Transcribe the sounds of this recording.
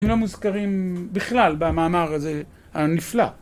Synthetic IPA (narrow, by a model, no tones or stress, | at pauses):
mlomuzkaʁimbiχlalbamaːmaʁaze | hanifla̰